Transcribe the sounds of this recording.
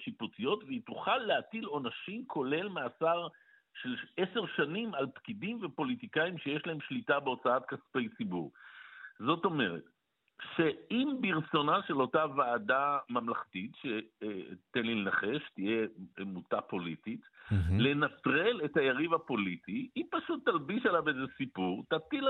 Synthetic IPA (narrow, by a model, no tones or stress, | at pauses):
ʃiput͡sijo̞tveituχalːeatilo̞naʃimkʰo̞le̞lmeasaʁ | ʃelese̞ʁʃanimalpkidimvepo̞litikaimʃejeʃlaemʃlitabeo̞t͡saat̚kaspe̞jt͡sibṵʁzo̞to̞me̞ʁḛt | ʃe̞imbiʁso̞naʃelo̞tavaːdamamlaχtitʃetenlilenaχeʃtije̞emutapo̞lititle̞natʁele̞tajaʁivapo̞litiipaʃutːalbiʃalavezesipuʁtatil